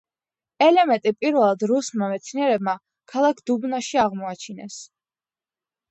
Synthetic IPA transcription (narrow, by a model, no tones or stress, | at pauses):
ɛlɛmɛnt̪ʼipʼiɾvɛlˠad̪ɾusmamɛt̪sʰniɛɾɛb̚ma | kʰalˠakʰd̪̥ubnaʃiaʁmɔat͡ʃʰinɛs